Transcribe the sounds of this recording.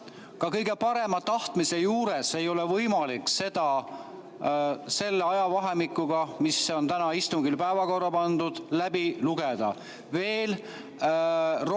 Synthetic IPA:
kɑkɤjɡe̞pɑɾe̞mɑt̪ɑht̪mise̞juːɾe̞se̞jo̞le̞vɤjmɑlikse̞d̪̥ɑ | se̞lːeɑjɑvɑɦe̞mikːˑuɡ̥ɑmiso̞nt̪ænɑist̪uŋɡ̥ilpæevɑko̞rːɑpɑnd̪ud̪̥læbiluɡ̥ed̪̥ɑ̰ | ve̞ːl | r

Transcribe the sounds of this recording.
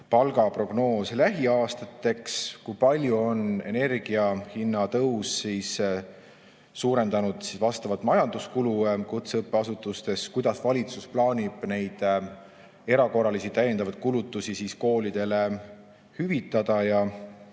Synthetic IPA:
pɑlɡɑpro̞ɡ̥no̞ːslæɦiɑːst̪ɑt̪ːˑe̞kskujpɑlʲjuo̞ne̞̰ne̞rɡ̥iɑhinːɑt̪ɤwsːiːs | uːɾe̞nd̪ɑnud̪̥sisvɑst̪ɑvɑt̪mɑjɑnd̪̥uskulukut̪seɤpːˑeɑsut̪ːˑust̪e̞skujd̪̥ɑsvɑlʲit̪susplɑːnʲib̥ne̞jd̪̥ | e̞ɾɑko̞rɑlisit̪æje̞nd̪ɑvɑd̪̥̚kulut̪ːˑusisiːsko̞ːlid̪̥e̞le̞ | hyvit̪ːˑɑd̪̥ɑjɑ

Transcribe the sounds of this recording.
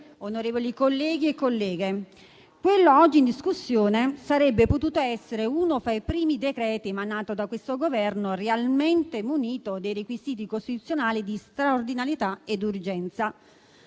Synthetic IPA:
onoɾeːvolikolːɛːɡiekːolːɛːɡe | kwelːoɔd͡ʒːind̪iskusːjoːnesaɾɛbːepot̪uːt̪oɛsːeɾeuːnofɾajpɾiːmid̪ekɾɛːt̪iemanaːt̪od̪akwest̪oɡovɛrnorealment̪emuniːt̪od̪ejɾekwiziːt̪̬ikost̪it̪ut̪sjonaːlid̪ist̪ɾaord̪inaɾjet̪aed̪urd͡ʒɛnt̪sa

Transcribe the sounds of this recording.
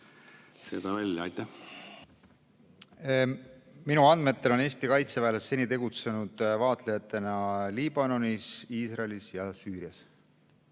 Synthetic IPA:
sḛd̪̥ɑvælʲːjɑɑjt̪ˑːæh | minuɑnd̪̥me̞t̪ːe̞lo̞ne̞ːst̪ikɑjt̪sevæːlesːe̞nit̪e̞ɡut̪se̞nud̪̥vɑːt̪ˑlejɑt̪ːˑe̞nɑliːb̥ɑno̞nisiːsrɑlisjɑsyːɾiɑs

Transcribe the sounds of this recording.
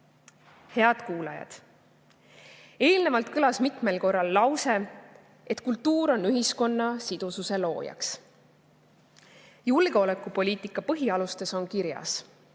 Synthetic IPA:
he̞ɑd̪̥kuːlɑjɑ̰d̪̥ | e̞ːlne̞vɑlt̪kɯlɑsmit̪ˑme̞lko̞rːɑlːɑwse̞ | et̪kult̪ːuːɾo̞nːyɦisko̞nːɑsid̪̥ususe̞lo̞ːjɑ̰ks | julko̞le̞kːˑupo̞lʲiːt̪ˑikːˑɑpɤɦiɑlust̪e̞so̞nkiɾjɑ̰s

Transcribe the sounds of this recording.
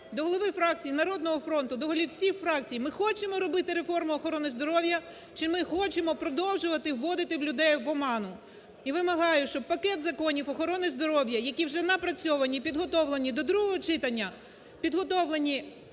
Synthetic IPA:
d̪ɔɦɔlˠɔʋɪfɾɑk̚t͡sʲijinɐɾɔd̪nɔɦɔfɾɔnt̪ʊd̪ɔɦɔlʲiwsʲixfɾɑkt͡sʲijmɪxɔt͡ʃemɔɾɔbɪt̪ɪɾefɔrmʊɔxɔɾɔnɪzd̪ɔɾɔwjɐ | t͡ʃɪmɪxɔt͡ʃemɔpɾɔd̪ɔwʒʊʋɐt̪ɪwːɔd̪ɪt̪ɪwlʲʊd̪ɛjʋɔmɑnʊ | iʋɪmɐɦɑjʊʃt͡ʃɔb̚pɐkɛt̪zɐkɔnʲiwɔxɔɾɔnɪzd̪ɔɾɔwjɐjɐkʲiwʒɛnɐpɾɐt͡sʲɔʋɐnʲipʲid̪ɦɔt̪ɔwlˠenʲid̪ɔd̪ɾuɦɔɦɔt͡ʃɪt̪ɐnʲːɐ | pʲid̪ɦɔt̪ɔʋlˠenʲi

